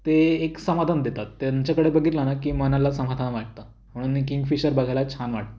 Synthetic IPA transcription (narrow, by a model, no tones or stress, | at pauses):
t̪eːksəmad̪ʱand̪et̪at̪ːjaɲt͡ɕjakəɽebəɡʱiːt̪lanakiːmənãlasəmad̪ʱanaʋaʈ̚t̪a | m̤əɽ̃uːnikiŋɡfiɕəɾbəɡʱajlat͡ɕʰanʋaʈ̚t̪